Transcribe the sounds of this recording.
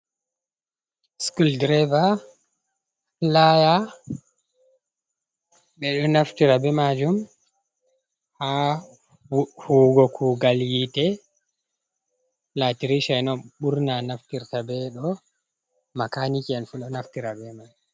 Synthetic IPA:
skuldɾɛva | laja | ɓɛɗɔnaftiɾabɛmad͡ʒum | ha | huɡɔkʰuːɡaljitɛ | latiɾiʃajnɔɓuɾnanaftiɾtabɛɗɔ | makanikianfuɗɔnaftiɾabɛmad͡ʒu

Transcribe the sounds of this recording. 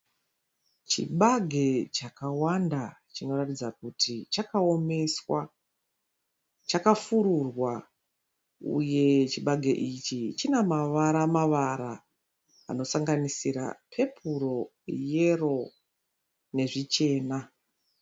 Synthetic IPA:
t͡ʃḭɓaɡʱe̞t͡ʃakawandat͡ʃino̞ratid͡zak̚utʰit͡ʃakao̞me̞swa | t͡ʃakafuɾurwa | ṵje̞t͡ʃiɓaɡʱe̞ʔit͡ʃit͡ʃinemaʋaɾamaʋaɾa | a̰no̞saŋɡanisiɾa̰pʰe̞pʰuro̞ | je̞ro̞ | ne̞ʐit͡ʃe̞ːna

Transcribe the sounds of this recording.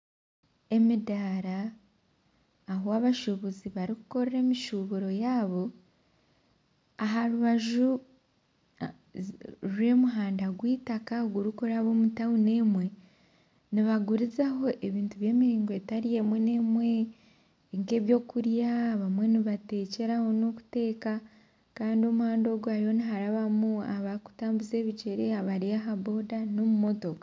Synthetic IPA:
e̞midaɾa | ɦoaβaʃuβuziβaɾikuko̞ɾeɾe̞ːmiʃuβuɾo̞jaːβo̞ | aɦaɾuβaʒu | ɾwe̞muɦaːndaɡwiːtakaɡuɾukoɾaβo̞ːmutawune̞ːmwe̞ | niβaɡuɾizaɦo̞ʔe̞βiːntuβje̞ːmiɾiːŋɡoe̞taɾije̞mwene̞mwe̞ | ŋke̞ːβjo̞ːkuɾjaːβamwe̞niβate̞ːce̞ɾaho̞noku̥te̞ːka | kaːndio̞muhaːndo̞ɡuaɾiho̞niɦaɾaβamuaβaɾiku̥taːmbuze̞ːβit͡ʃe̞ɾe̞aβaɾijaɦabo̞dano̞mumo̞to̞ka

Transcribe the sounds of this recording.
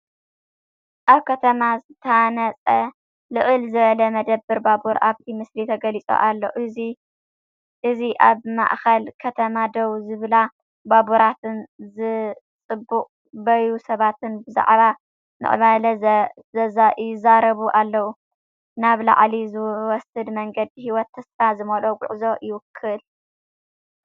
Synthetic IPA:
ʔaβkʰɐt̪ʰɐmazɨt̪ʰɐanɐt͡sʼɐ | lɨʔɨlzɨβɐlɐmɐd̪ɐbːɨɾbabuɾʔa̰βt̪ʰimɨslit̪ʰɐɡɐlit͡sʼo̰ʔalːo̰ʔɨzi | ʔɨziʔaβma̰ʔxɐlkʰɐt̪ʰɐmad̪ɐwzɨβɨla | babuɾat̪ʰɨnzɨ | t͡sʼɨbːuqʼ | bɐjusɐβat̪ɨnbɨza̰ʕβa | nɨ̰ʔʼɨ̰βalɐ | zɐzajjɪzaɾɐβuʔalːɐwu | naβla̰ʕlizɨwɔsɨd̪mɐŋɡɐd̪ihiwɔt̪ʰːɐsfazɨmɐloɡʷʊ̰ʕzo̞jɪwɨkʰːɨl

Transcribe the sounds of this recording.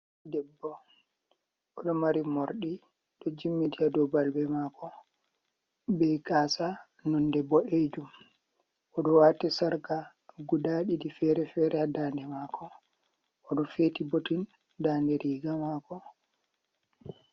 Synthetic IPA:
dɛbːɔ | ʔɔɗɔmaɾimoɾɗi | ɗɔd͡ʒimːidiadɔbalbɛmaːkɔ | bɛjkaːsa | nundɛbːɔʔed͡ʒum | ʔɔɗɔwatisaɾka | ɡudaɗidifɛɾɛfɛɾʔɛadandɛmaːkɔ | ʔɔɗɔfetibotin | daːndɛɾiːɡamakɔ

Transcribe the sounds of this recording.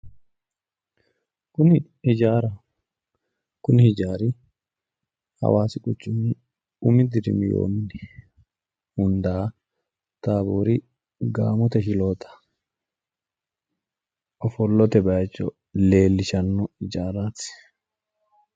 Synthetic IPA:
kʊnɪ | ɪd͡ʒaːɾɐ | kʊnɪhɪd͡ʒaːɾi | hɐ̰waːsɪkʼʊt͡ʃːʊmi | umɪd̪ɪɾɪ̰mɪjo̰ːmɪnɪ̥ | hʊnd̪a | t̪aːboːɾi | ɡa̰ːmɔt̪ɐɦɪloːt̪ɐ̥ | ʔɔfɔlːɔt̪ɛbɐjɛt͡ʃːɔ | leːlːɪʃɐnːɔɪd͡ʒaːɾaːt̪ɪ̥

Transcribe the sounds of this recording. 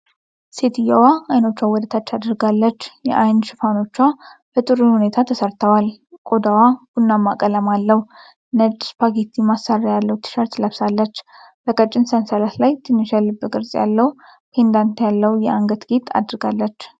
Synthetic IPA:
se̞t̪ʰɨjawaajno̞t͡ʃːwawɔd̪ət̪ʰat͡ʃːad̪ɨɾɡalːət͡ʃːjɛ̰ʔajnʃɪfano̞t͡ʃːwab̥ət̪ʼɨɾɨnhune̞t̪ʰat̪ʰəsəɾt̪ʰəwalkʼo̞d̪awakunːamːakʼələmalːəh | nət͡ʃʼːspʰaɡet̪ʰːimasarːajalːəwt̪ʰɨ̥ʃəɾt̪ləβsalːət͡ʃː | b̥əkʼət͡ʃʼːɪnsənsəlat̪lajt̪ʰɨnːɨʃalːɨbːəkʼɨɾsʼja̰lːəw | pʰe̞nd̪ant̪jalːəwjɛʔaŋɡət̪ɡet̪ʰa̰d̪ɨɾɡalːət͡ʃː

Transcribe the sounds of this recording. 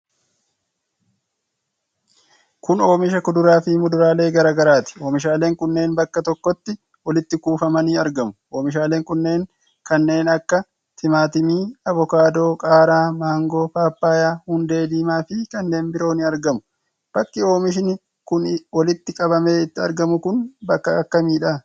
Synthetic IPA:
kʊno̞ːmɪʃ̬ɐkʊd̪ʊɾaːfɪmʊd̪ʊɾaːle̞ːɡɐɾaːɡɐɾaːt̪ɪ̥o̞ːmɪʃ̬aːleːŋkʊnːe̞ːnbɐkːɐt̪ɔkːɔt̪ːɪ | wɐlɪt̪ːɪkuːfɐmɐniːɐɾɡɐmʊ̥o̞ːmɪʃ̬aːle̞ːŋkʊnːe̞ːŋ | kɐnːe̞ːnɐkːɐ | t̪ʰɪmaːt̪ɪmiːɐvɔkaːd̪o̞ːkʼaːɾaːmaːŋɡo̞ːfaːpːaːjaːhʊnd̪e̞ːd̪iːmaːfɪkɐnːe̞ːnbɪɾo̞ːnɪɐɾɡɐmʊ̥ | b̥ɐkːɪo̞ːmɪʃ̬ɪnɪ | kʊnwɐlɪt̪ːɪkʼɐbɐme̞ːɪt̪ːɪɐ̰ɾɡɐmʊkʊnbɐkːɐɐkːɐmiːᶑɐ

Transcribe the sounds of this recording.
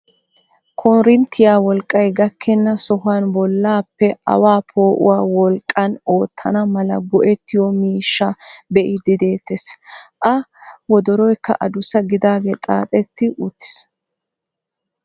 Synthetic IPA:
kʰɔnɾɪnt̪ʰːɪjaːwɔlkʼːɐjɡɐkʰːɛnːɐsɔɦʊaːnbɔlːaːpːɛɐ̰waːpʰo̞ːʔʊ̰waːwɔlkʼːɐno̞ːt̪ʰːɐnɐmɐlɐɡɔʔɛt̪ːɪjɔmiːʃːɐbɛʔɪd̪ɪd̪e̞ːt̪ːɛsʔɐwɔd̪ɔɾɔjkːɐ̰ʔɐd̪ʊsɐɡɪd̪aːɡet̪ʼa̰ːt̪ʼɛt̪ːɪʔʊt̪ːɪ̥s

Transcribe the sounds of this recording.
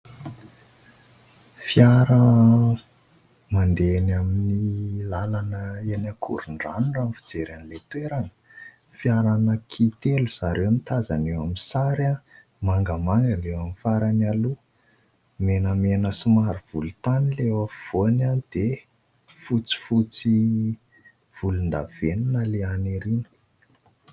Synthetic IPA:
fjaɾə | mand̪enaminilalanəenakʰṵɾuɳɖ͡ʐanuɳɖ͡ʐamfid͡zeɾanlet̪weɾanə̥ | fjaɾanəkʰit̪eluz̥aɾʔewamit̪azanewamisaɾa | maŋɡəmaŋɡənewamifaɾanalu | menəmenəsumaɾuv̥ulut̪anilewav̥onanid̪̥e | fut͡si̥fut͡si | v̥ulund̪aveninaleaneɾinə̥

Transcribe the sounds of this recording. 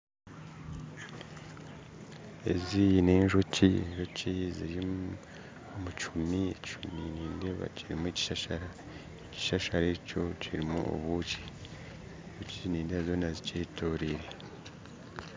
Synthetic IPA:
e̞̰zine̞ːɲʒocienʒociziɾi | omut͡ʃumiect͡ʃuminiːndeβa̰ciɾimuici̥ʃaʃaɾa | eci̥ʃaʃaɾeɾicociɾimṵʔo̰βuci̥ | ʒuciniːndieβazo̞ːnaziceːtʰoːɾiɾe̞

